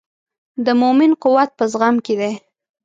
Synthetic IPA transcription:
d̪əmʊmɪnqʊwat̪̚pəzɣamked̪e

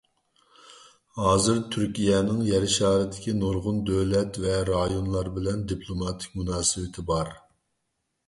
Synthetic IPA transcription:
hɑːzɨɾt̪ʰyɾkʲijɛnɪŋjɛɾɪʃɑːɾɨd̪ɪkʲinoɾʁʊnd̪øwlɛt̪vɛɾɑjonlˠɑɾbɪlɛnd̪ipʰlˠomɑt̪ʰɪ̥kʲmunɑːsɨwɪt̪ʰɪbɑɾ

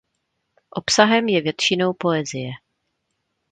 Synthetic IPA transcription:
ʔo̞psaɦɛmjɛvjɛt̪ʃɪno̞wpo̞ɛzɪjɛ

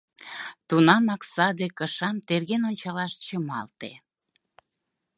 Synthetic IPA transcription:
t̪unɑmɑksɑd̪ekəʃɑmt̪erɣenonʲt͡ɕɑlɑʃt͡ɕəmɑ̰lt̪e

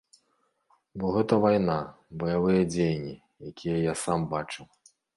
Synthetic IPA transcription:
bɔɣɛt̪ɐvajna | bɐjavɨjɐd͡zʲejnʲi | jakʲijɐjasambat͡ʂɨw

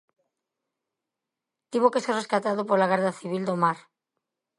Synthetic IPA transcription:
t̪iβokesereskat̪aðopolaɣaɾðaθiβ̞ild̪omaɾ

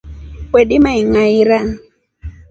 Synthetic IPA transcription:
kwɛɗimaiŋaiɾaŋ

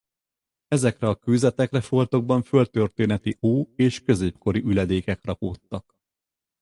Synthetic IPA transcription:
ɛzɛkrɛɒkyːzɛt̪ɛkrɛfo̞lt̪o̞ɡ̚bɒɱfø̞lt̪ørt̪eːnɛt̪ioːeːʃkø̞zeːpko̞ɾiʔylɛd̪eːkɛkrɒpoːt̪ːɒk

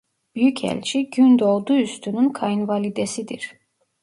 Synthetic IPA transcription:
b̥yjycʰɛ̰lʲt͡ʃʰiɟynd̪olˠd̪uyst̪ʰynynkʰɑjinvɑlid̪ɛsid̪iɾ̥

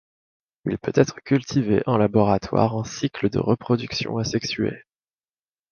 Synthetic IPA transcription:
ilpøt̪ɛt̪χəkʲylt̪ʰiveʔɑ̃labɔʁat̪wa̰ʁɑ̃sikləd̪ə̰ʁəpχɔd̪yksjɔ̰̃asɛksyḛ

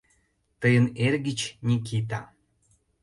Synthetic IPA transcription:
t̪əjənerɣət͡ɕnʲik̬it̪̬a

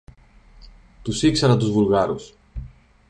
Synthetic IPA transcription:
t̪usiksɐɾɐt̪uzvulɣɐɾus

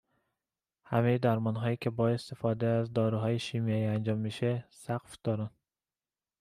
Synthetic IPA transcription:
hamejd̪æɾmɒnɦɒjikʰebɒest̪efɒd̪eːzd̪ɒːɾuɦɒːjeʃimijɒiænd͡ʒɒmːiʃesaqfd̪̥ɒɾan

